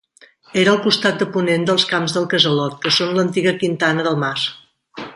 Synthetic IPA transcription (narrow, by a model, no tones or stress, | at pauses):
eɾəːlˠkust̪at̪̚d̪əpunend̪əlˠskamzðəlˠkəzəlɔt̪̚kəsonlənt̪iɣəkint̪anəðəlˠmas